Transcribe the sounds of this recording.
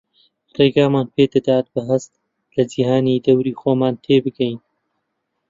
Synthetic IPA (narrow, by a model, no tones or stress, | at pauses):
reːɡaːmaːnpʰeːd̪ɐd̪aːt̪̚bɨɦɐst̪ | lɐd͡ʒihaːnid̪ɐwɾiːxoːmaːnt̪ʰeːbɨɡɛjn